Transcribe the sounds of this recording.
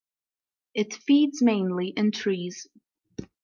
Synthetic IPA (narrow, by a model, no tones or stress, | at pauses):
ɨtfidzmẽɪ̃nliʔɨ̃ntʰɹ̥iz̥